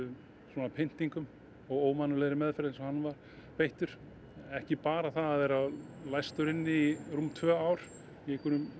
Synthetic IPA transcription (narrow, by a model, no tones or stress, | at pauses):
ʏ | swɔnapʰɪn̥t̪iŋkʏm | ɔɣoːwmanːʏlɛɣɾɪmɛðfɛɾðɪnsɛmhanːvaɾ̥ | pejht̪ʏɾ̥ | ɛhcɪpaːɾaθaðaðvɛːɾalajst̪ʏɾɪnːɪirumt̪ʰvœːawɾ̥ | ɛkʏnʏm